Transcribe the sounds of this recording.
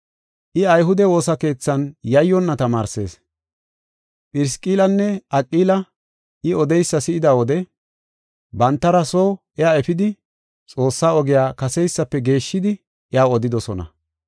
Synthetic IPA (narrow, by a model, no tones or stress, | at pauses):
ʔɪɐjɦʊd̪ɛwo̞ːsɐke̞ːt͡sːɐnjɐjːɔnːɐt̪ɐmaːɾse̞̰ːs | pʼɪɾɪskʼiːlɐnːɛʔɐkʼːiːlɐ | ʔɪɔd̪ɛjsːɐsɪʔɪd̪ɐwɔd̪ɛ | bɐnt̪ːɐɾɐsoːʔɛaɛfɪd̪ɪ | t͡sʼo̞ːsːaːɔɡɪjaːkɐsɛjsːɐpːɛɡe̞ːʃːɪd̪ɪ | ʔɛaːɔd̪ɪd̪ɔsɔnɐ̰